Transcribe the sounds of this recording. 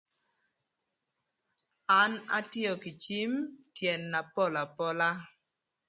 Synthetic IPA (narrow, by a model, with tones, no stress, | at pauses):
a˦na̰˦tjɔ˨ki˨t͡ʃi˦mtjɛ˨nːa˨pɔ˦˨la˨pɔ˦la˦